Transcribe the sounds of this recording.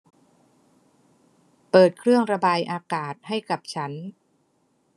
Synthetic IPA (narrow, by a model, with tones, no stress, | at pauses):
pɤː˨˩t̪̚kʰɾɯ˥˩əŋɾa˧baː˧jʔaː˧kaː˨˩t̪̚ha˥˩jka˨˩p̚t͡ɕʰa˦˥n